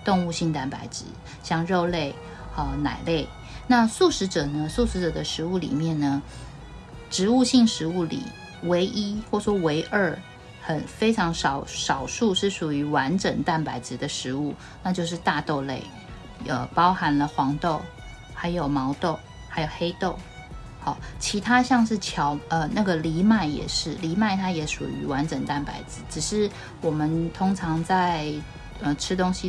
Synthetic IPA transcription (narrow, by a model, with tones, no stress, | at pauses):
t̪ʊ˥˧ŋu˥˧ɕi˥˧ŋt̪a˥˩npa˧˥ɪʈ͡ʂɻ̩˧˥ | ɕjɑ˥˧ŋɻo˥˧ʊle˥˩ɪ | ə˧˩na̰˨˩ɪle˥˩ɪ | na˥˧su˥˩ʂɻ̩˧˥ʈ͡ʂɤ˨˩nə˦su˥˩ʂɻ̩˧˥ʈ͡ʂɤ˨˩d̪ə˦ʂɻ̩˧˥u˥˩lḭ˨˩mjɛ˥˩nnə˩ | ʈ͡ʂɻ̩˧˥u˥˧ɕi˥˩ŋʂɻ̩˧˥u˥˩lḭ˨˩ | we˧˥ɪʔi˥xwɔ˥˩ʂwɔ˥we˧˥ɪʔə˞˥˩ | xə˨˩nfe˥ɪʈ͡ʂʰɑ˧˥ŋʂɑ˨˧˩ʊʂɑ˨˩ʊʂu˥˧ʂɻ̩˥˩ʂu˨˩y˧˥wa˧˦nʈ͡ʂə˨˩ŋt̪a˥˩npa˧˥ɪʈ͡ʂɻ̩˧˥d̪ə˨ʂɻ̩˧˥˦u˥˩ | na˥˧t͡ɕjo˥˧ʊʂ̬ɻ̩˥˧t̪a˥˧t̪o˥˧ʊle˥˩ɪ | ə˨˩pɑ˥ʊxa˧˥nlə˧xwɑ˧˥ŋt̪o˥˩ʊ | xa˧˥ɪjo˨˩ʊmɑ˧˥ʊt̪o˥˩ʊ | xa˧˥ɪjo˨˩ʊxe˥ɪt̪o˥˩ʊ | xɑ˨˩t͡ɕʰi˧˥t̪ʰa˥ɕjɑ˥˧ŋʂɻ̩˥˩t͡ɕʰjɑ˧˥ʊə˧na˥˩ɡə˩li˧˥ma˥˩ɪjɛ̰˨˩ʂɻ̩˥˩li˧˥ma˥˩ɪt̪ʰa˥jɛ˧˥ʂṵ˨˩y˧˥wa˧˦nʈ͡ʂə˨˩ŋt̪a˥˩npa̰˨˧˩ɪt͡sɹ̩˧˦ʈ͡ʂɻ̩˨˩ʂɻ̩˥˩ | wɔ˨˩mə˦nt̪ʰʊ˥ŋʈ͡ʂʰɑ˧˥ŋt͡sa˥˧ɪ | ə˨ʈ͡ʂʰɻ̩˥t̪ʊ˥ŋɕi˨